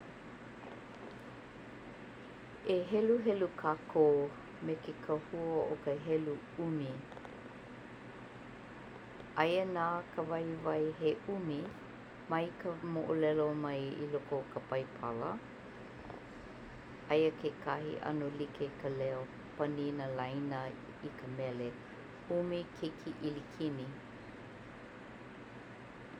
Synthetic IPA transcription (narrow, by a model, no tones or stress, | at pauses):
eɦɛluɦɛlukʰaːkʰoː | mekekʰəhuəʔokəɦɛlu | umi | ʔɐjənaːkʰəvɐjvɐjɦeʔumi | mɐjkʰəmoʔolɛlomɐjḭlokokʰəpɐjpʰɐlə̰ | ɐjəkʰekʰɐɦḭʔɐ̰nolikʰekʰəlɛo | pɐninəlajnə | ikəmɛle | umikʰekʰiʔilikʰini